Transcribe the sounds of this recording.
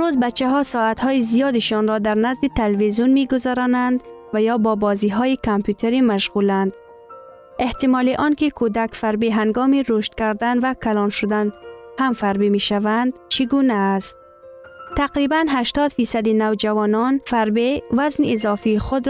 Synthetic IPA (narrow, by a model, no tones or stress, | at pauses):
ɾuzbat͡ʃaɦɒsɒːat̪hɔːjizijɒd̪iʃɒnɾɒd̪æɾnazd̪it̪ʰelvizjunmiɡʊzɔɾɒnænd̪vajɒːbɒːbɒːziɦɔːjikʰampjut̪ʰeɾimaʃɣulænd̪ | eht̪imɒːliʔɒnkikʰud̪akfæɾbiɦæŋɡɔːmiɾuʃt̪kæɾd̪anvækʰalɒnʃʊd̪anhamfæɾbimiʃavænd̪̥t͡ʃʰiɡunæːst̪̚ | t̪aqɾibænɦæʃt̪ɒd̪fiːsad̪inavd͡ʒavɒnɒnfæɾbivæzniːzɒːfiːxʊd̪ɾ